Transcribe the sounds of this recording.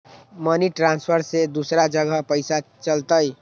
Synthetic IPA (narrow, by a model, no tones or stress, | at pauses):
mʌniʈɾanspʰəɾsed̪usɾad͡ʒʌɡʱʌpəjsat͡ʃʌlt̪əj